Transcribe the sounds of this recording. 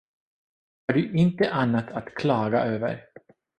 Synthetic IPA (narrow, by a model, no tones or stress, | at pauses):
haɖɵʔɪnt̪əʔanːat̪ʰat̪kʰlɑːɡa̰ʔøːvə̰ɾ